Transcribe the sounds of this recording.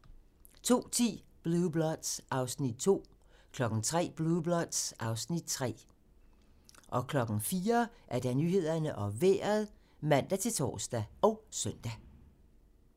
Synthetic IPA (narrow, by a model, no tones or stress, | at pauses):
t͡sʰo̝̰ːt͡sʰḭːb̥lub̥lɒd̥sʔɑ̈ʊsnid̥̚t͡sʰo̝̰ː | kʰlɒ̽ɡ̥n̩t͡sʰʁɛ̰ːb̥lublɒd̥sʔɑ̈ʊsnid̥̚t͡sʰʁɛ̰ː | ʔɒ̽kʰlɒ̽ɡ̥ŋ̩fiːɐʔæɐd̥ænyːhe̝ð̞̰ˠɐnəʔɒ̽ʋḛɐðˠ | mæn̰d̥æt͡sʰe̝lt͡sʰɒ̰ːsd̥æɒ̽ʊsœn̰d̥æ